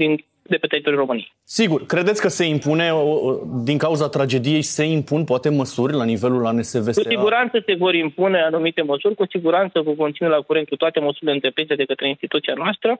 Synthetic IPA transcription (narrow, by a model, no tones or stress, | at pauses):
d̪in | d̪e̞pet̪eit̪oɾʲɾo̞mɨnijesiɡurkɾe̞d̪e̞t̪sʲkəse̞impune̞od̪iŋkauzat̪ɾad͡ʒe̞d̪ije̞jse̞impunpoat̪e̞məsurʲlanive̞lulanese̞ve̞skuiɡuɾant̪səse̞vo̞ɾimpune̞anumit̪e̞məsurʲkusiɡuɾant̪səkuko̞nt̪sinelakuɾent̪̚kut̪oat̪e̞məsuɾʲileɨnt̪ɾe̞pɾinsed̪e̞kət̪ɾe̞inst̪it̪ut̪sianoast̪ɾə